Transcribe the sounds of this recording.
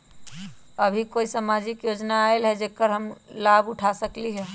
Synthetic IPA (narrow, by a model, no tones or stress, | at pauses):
əbʱikoisamad͡ʒikjoːd͡ʒnaːelɦɛd͡ʒekːəɾɦəmlabʊʈʰasəkliɦɛ